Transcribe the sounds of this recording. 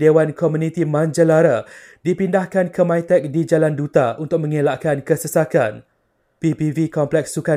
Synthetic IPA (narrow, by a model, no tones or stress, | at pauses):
dewankɔmũnĩt̪imãnd͡ʒəlaɾa | dipindahkankəmãjt̪ɛk̚did͡ʒalandut̪aunt̪ʊk̚mə̃ŋelaʔkankəsəsaka̰n | pipivikɔmplɛk̚sːuka